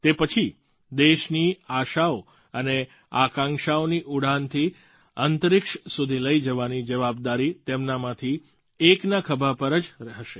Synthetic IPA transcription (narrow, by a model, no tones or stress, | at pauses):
t̪epət͡ʃʰi | d̪eʃniaʃao | əne | akãŋʃaoniʔuɽ̤ant̪ʰi | ənt̪əɾɪkʃsud̪ʱiləid͡ʒəʋanid͡ʒəʋab̚d̪aɾit̪emnamãt̪ʰi | eknakʰəbʱapəɾəd͡ʒɾəɦəʃe